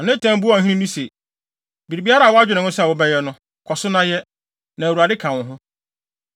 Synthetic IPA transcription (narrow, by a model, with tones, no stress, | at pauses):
a˨nɪ̃˦tʰã˦m̩˦bu˦ã˨ɦĩ˦nĩ˦nĩ˦se˨ | bi˨ɾi˨bi˦a˦ɾa˦˨wʊ˦a˦d͡ʑᶣɪ˨nɪ̃˨nʊ̃˦sɛ˦˨wʊ˦bɛ˦jɛ˦nʊ̃˦ | kʰɔ˨sʊ˦nã˦jɛ˦ | nã˨wu˨a˨dɪ˦kʰã˨ʊ̃˨ɦʊ̃˦